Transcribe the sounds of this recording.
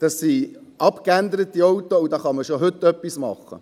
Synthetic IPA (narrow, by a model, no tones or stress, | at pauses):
d̥ɑsːiʔɑpkænd̪əɾət̪ːiɔwtoudɑːχɑməʃoɦɵtːœpːismɑ̰χə̰